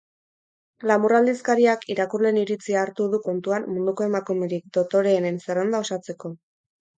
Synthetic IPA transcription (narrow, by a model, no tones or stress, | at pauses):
lamurald̪iskaɾiakiɾakurle̞niɾit͡siaːɾt̪uðuko̞nt̪uanmːund̪uko̞e̞makume̞ɾik̚d̪o̞t̪o̞ɾe̞ːnenserend̪ao̞sat͡se̞ko̞